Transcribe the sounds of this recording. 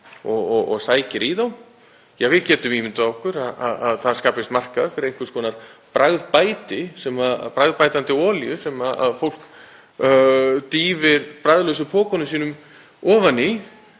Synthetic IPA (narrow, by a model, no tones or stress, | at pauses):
ɔɣɔɣɔɣsaːjcɪɾiðaw | jɛɣvɪðcɛːt̪ʏmiːmɪnt̪aɔhkʏɾaða̰ðaðθað̥skaːpɪst̪mar̥kaðfɪɾɪɾejŋ̥kʏ̥skʰɔːnaɾ̥pɾaɣðpaːjt̪ɪsɛmapɾaɣðpaːjt̪ant̪ɪɔːljʏsɛmaða̰ðfowl̥k | t̪iːvɪɾpɾajðlœws̬ʏpʰɔːkɔnʏsiːnʏm | ɔːvanːɪ